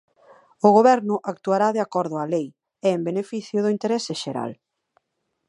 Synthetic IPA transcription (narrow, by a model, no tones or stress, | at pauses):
ʊɣoβɛɾnʊʔak̚t̪uaɾaðeakɔɾðʊalej | ɛembenefiθjʊðʊint̪eɾɛsɪʃeɾa̰l